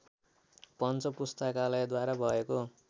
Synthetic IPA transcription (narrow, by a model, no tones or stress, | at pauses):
pʌnt͡sʌpust̪akalʌjd̪waɾabʱʌeko